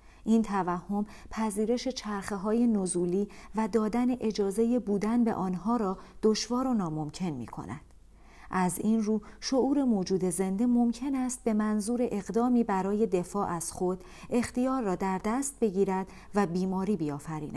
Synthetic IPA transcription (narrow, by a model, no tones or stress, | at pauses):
ʔint̪ʰævæhːo̞m | pʰæziːɾe̞ʃe̞t͡ʃʰæɾxeɦɒːje̞nozuːliːvæd̪ɒːd̪æne̞ʔe̞d͡ʒɒːze̞jebuːd̪ænbe̞̰ʔɒːnɦɒːɾɒːd̪̥o̞ʃvɒːɾo̞nɒːmo̞mcʰe̞nmḭːkʰo̞̰næ̰d̪̥ | ʔæzinruːʃo̞uːɾe̞mod͡ʒuːd̪e̞ze̞nd̪e̞mo̞mcʰe̞næst̪̚be̞mænzuːɾe̞ʔeɣd̪ɒːmiːbæɾɒːje̞d̪e̞fɒːʔæz̥χo̞d̪̥ | e̞xt̪ijɒːɾːɒːd̪æɾd̪æst̪̚be̞ɟiːɾæd̪̥ | væbiːmɒːɾiːbiɒːfæɾḭːnæ̰